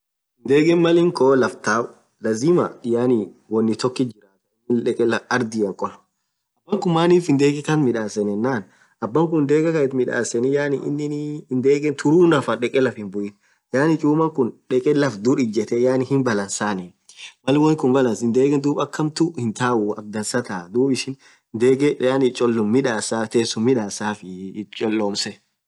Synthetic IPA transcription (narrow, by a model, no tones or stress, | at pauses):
ɪnd̪eːɡɛnmɐlɪŋkoːlɐft̪aː | lɐzimɐɪjaːniwɔnːɪt̪ɔkːɪd͡ʒɪɾaːt̪ɪnːɪᶑɛkʼɛlɐɐɾd̪ɪjɐŋkʼɔn | ɐbːɐŋkʊmmaːniːfɪnd̪eːɡɛkɐt̪mɪᶑaːsɛnɛnːaːn | ʔɐbːɐŋk̬ʊnnd̪eːɡɐkɐɛt̪mɪᶑa̰ːsɛnɪjaːnɪʔɪ̰nːɪnd̪eːɡɛnt̪ʰʊɾuːnɐfɐᶑɛkʼɛlɐfɪnbʊʔɪn | jaːnɪt͡ʃʼuːmɐŋkʊnᶑɛkʼɛlɐfd̪uɾɪd͡ʒɛt̪ɛjaːnɪhɪnbɐlɐnsaːniː | mɐlɪwɐnkʊnbɐlɐnsɪnd̪eːɡɛnd̪uːbɐkːɐmt̪ʊhɪnt̪aːʔʊɐb̚d̪ɐnsɐt̪aːd̪uːbɪʃɪn | d̪eːɡɛjaːnɪt͡ʃʼɔlːʊmːɪᶑaːsaːt̪eːsʊmmɪᶑaːsaːfɪt͡ʃʼɔlːoːmsɛ